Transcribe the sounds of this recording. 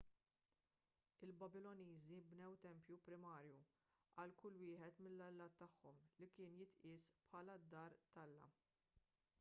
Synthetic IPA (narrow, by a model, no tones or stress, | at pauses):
ɪlbɐbɪlɔniːzibnɛwt̪ɛmpjupɾɪmɐːɾju | ʔɐlkʊlːwɪːħɛt̪mɪlːɐlːɐːt̪ːɐħːɔmlikɪːnjɪt̪ʔɪːspħɐːlɐd̪ːɐːɾt̪ɐlːɐ̰